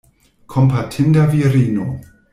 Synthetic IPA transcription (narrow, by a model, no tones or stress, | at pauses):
kʰɔmpʰatʰɪndaviɛɾiːnu